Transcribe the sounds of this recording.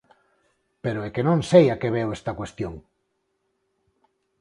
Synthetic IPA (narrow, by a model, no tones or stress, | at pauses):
peɾoekenõŋsejakeβewest̪akwest̪joŋ